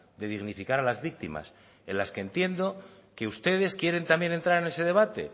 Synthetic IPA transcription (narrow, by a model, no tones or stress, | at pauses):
d̪e̞ðiɣnifikaɾalazβik̚t̪ima̰s | e̞̰nlaske̞ːnt̪je̞nd̪o̞ke̞ust̪e̞ðe̞skje̞ɾe̞nt̪ambje̞ne̞nt̪ɾaɾe̞ne̞se̞ðe̞β̞at̪e̞̰